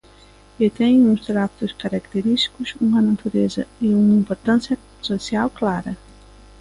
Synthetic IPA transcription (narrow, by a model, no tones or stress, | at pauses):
et̪ɛ̃j̃ũst̪ɾap̚t̪uskaɾakt̪eɾist̪i̥kusuŋɐnat̪uɾezɐiuŋɐĩmpoɾt̪ãnsjɐ | sosjawklaɾɐ